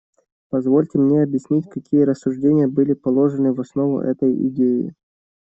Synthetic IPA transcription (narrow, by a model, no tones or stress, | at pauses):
pɐzvo̞lʲtʲɪmnʲeɐbjɪsʲnʲitʲkɐkʲijəɾəsːʊʐdʲenʲɪjəbɨlʲɪpɐlˠo̞ʐɨnɨvɐsno̞vʊ̰ʔɛ̰t̪əjɪ̰dʲeɪ̰